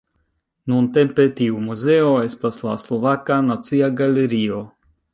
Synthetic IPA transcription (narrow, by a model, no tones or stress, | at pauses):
nunte̞mpe̞tiumuze̞o̞e̞staslaslo̞vakanat͡siaɡaleɾio̞